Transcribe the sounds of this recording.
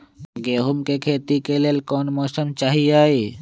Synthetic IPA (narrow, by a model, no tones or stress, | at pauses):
ɡeːɦumkekʰeːt̪ikelelkɔːnmɔːsəmt͡ʃaːɦiaːe